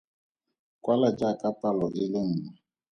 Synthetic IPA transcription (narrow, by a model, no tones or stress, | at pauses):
kʼwalad͡ʒakʼatʼalɔʔɪlɪŋ̩ːŋɛ